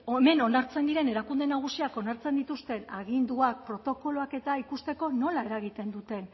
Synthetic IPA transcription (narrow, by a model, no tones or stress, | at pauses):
ome̞no̞naɾt͡se̞nd̪iɾe̞ne̞ɾakund̪e̞naɣ̞usiako̞naɾt͡se̞nd̪it̪ust̪e̞naɣind̪uak̚pɾo̞t̪o̞ko̞loake̞t̪aikust̪e̞ko̞no̞lae̞ɾaɣ̞it̪e̞nd̪ut̪e̞n